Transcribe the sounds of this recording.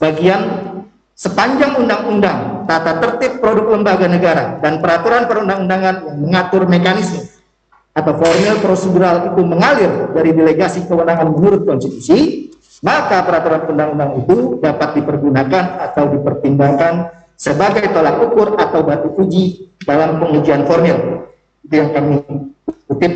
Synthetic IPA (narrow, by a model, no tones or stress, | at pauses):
baɡian | səpaɲd͡ʒaŋundaŋundaŋt̪at̪at̪ərt̪ɪpːɾodʊk̚ləmbaɡanəɡaɾadanpəɾat̪uɾanpəɾundaŋundaŋanjaŋməŋat̪ʊrmekanɪsmə | at̪awfɔrmɪlpɾoseduɾalit̪uməŋalɪrdaɾideleɡasikəwənaŋanmənuɾʊt̪̚kɔnst̪it̪usi | makapəɾat̪uɾanpəɾundaŋundaŋnit̪udapat̪̚dipərɡunakanat̪awdipərt̪imbaŋkan | səbaɡajt̪olak̚ukʊrat̪awbat̪uʔud͡ʒidalampəŋud͡ʒianfɔrmɪl | it̪ujaŋkami | ut̪ɪp̚